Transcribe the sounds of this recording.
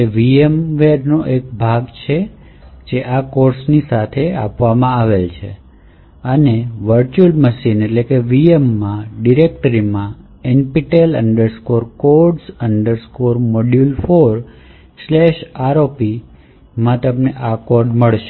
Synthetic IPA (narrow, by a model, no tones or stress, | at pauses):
eʋiemʋeɾnoʔek̚bʱaɡt͡ʃʰe | d͡ʒeʔakoɾsnisat̪ʰea̰pʋamãaʋelt͡ʃʰḛ | əneʋəɾt͡ʃuəlməʃineʈlekeʋiemːãɖiɾek̚ʈəɾimã | enpiʈelə̰ɳɖəɾskoɾkoɾɖsəɳɖəɾskoɾmoɖjulfoɾ | slɛʃaɾopi | mãt̪əmneʔakoɾɖməɭʃ